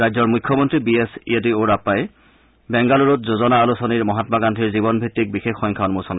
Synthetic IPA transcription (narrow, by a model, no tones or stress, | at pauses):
ɹajzɔɹmujkʰːɔmɔntɹibiesḭedioɹapːajɛ | bɛŋɡaluɹɔtzozɔnaːlusɔniɹmɔɦatmaɡantʰiɹzibɔnbʱɹitːik̚bixexːɔjŋkʰaɔnmosɔn